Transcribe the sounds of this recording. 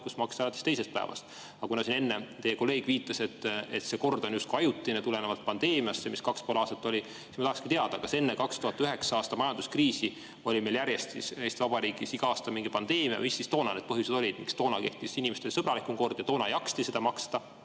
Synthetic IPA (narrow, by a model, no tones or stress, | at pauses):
kusmɑkst̪ɑɑlɑt̪ːˑe̥st̪ejse̞st̪̚pæ̰evɑ̰st̪ | ɑkunɑsine̞nːet̪e̞je̞ko̞lːe̞ːɡ̥viːt̪ːˑɑse̞t̪ːet̪se̞ko̞rd̪̥o̞njust̪kɑjut̪ːˑinet̪ulenevɑlt̪̚pɑnd̪e̞ːmiɑsːemiskɑkspoːlɑːst̪ɑt̪ːˑo̞lʲi | sismɑt̪ɑhɑkskit̪e̞ɑd̪̥ɑkɑse̞nːekɑkst̪uhɑt̪ːˑyɦe̞ksɑɑːst̪ɑmɑjɑnd̪uskriːsi | o̞lʲimeljæɾje̞st̪sisejst̪ivɑb̥ɑɾiːɡ̥isiɡ̥ɑɑːst̪ɑmiŋɡipɑnd̪̥e̞ːmiɑ̰visːist̪o̞ːnɑne̞d̪̥pɤɦjused̥̪o̞lʲid̪̥mḭkst̪o̞ːnɑke̞ht̪isinimest̪elsɤb̥ɾɑlikumko̞rd̪̥jɑt̪o̞ːnɑjɑkst̪ise̞d̪ɑmɑkst̪ɑ